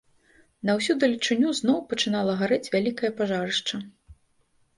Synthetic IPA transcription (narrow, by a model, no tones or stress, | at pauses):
nɐwsʲud̪ɨlʲit͡ʂɨnʲːuznɔwpɐt͡ʂɨnalˠɐɣaɾɛt͡sʲvʲalʲikɐjɐpaʐaɾɨʂt͡ʂɐ